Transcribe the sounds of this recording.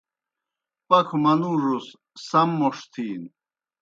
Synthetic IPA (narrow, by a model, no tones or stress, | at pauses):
pɐkʰumɐnuʐus | sɐmːoʂt̪ʰiːn